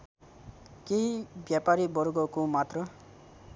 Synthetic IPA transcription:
keɦibjapaɾibʌɾɡʌkomat̪rʌ

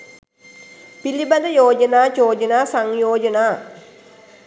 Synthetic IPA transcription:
pilibɐnd̪ɐjoːd͡ʒɐnaːt͡ʃoːd͡ʒɐnaːsaŋjoːd͡ʒɐnaː

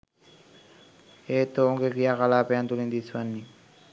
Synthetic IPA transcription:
et̪ooŋɡekiakalapeant̪ulind̪isʰuanːi

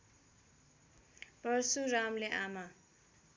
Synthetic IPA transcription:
pʌɾsuɾamleʔama

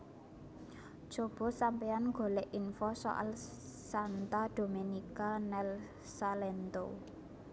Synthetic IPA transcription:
d̥ʒ̥o̤b̥o̤sampeanŋɡo̤leʔinfɔsɔ̰ʔa̰lsant̪ad̪̥o̤menikanɛl | salent̪o̰

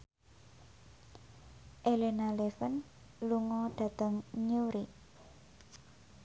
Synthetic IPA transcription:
ʔelenalefən | luŋɔɖ̪̥a̤d̪̥ə̤ŋɲuɾi

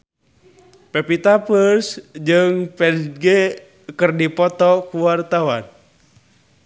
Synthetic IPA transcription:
pɛpit̪apərsd͡ʒɨŋpɛlɡe | kərdipɔt̪ɔkuwart̪awan

